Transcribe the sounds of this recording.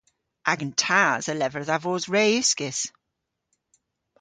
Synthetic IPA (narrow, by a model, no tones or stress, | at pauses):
ʔaɡəntʰaːzəlɛvəɾðavozɹeːʉskɪs